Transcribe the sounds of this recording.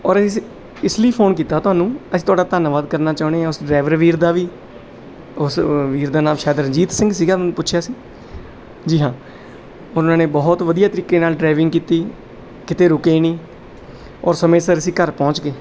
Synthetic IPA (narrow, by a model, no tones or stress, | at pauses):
ɔːɾəis | ɪsliːpʰoːnkiːt̪aːt̪ʊɦaːnũːəsĩːt̪ʊaːɖaːt̪aːnaʋaːd̪kəɾnaːt͡ʃaːɳ̃eaːʊsɖɾaːʋəɾʋiːɾd̪aːʋiː | ʊsʋiːɾd̪aːnaːmʃɛːd̪əɾd͡ʒiːt̪sɪ̃ŋɡsiːɡaːñːpʊtːʃʰjaːsĩː | d͡ʒiːɦãː | ɔːɾʊnãːnẽːbɔːt̪ʋəd̪ijaːt̪əɾiːkeːnaːlɖɾaːʋɪ̃ŋɡkiːt̪iː | kɪt̪eːɾʊkeːniː | ɔːɾsəmẽːsəɾəsiːkəɾpɔ̃ːt͡ʃkeː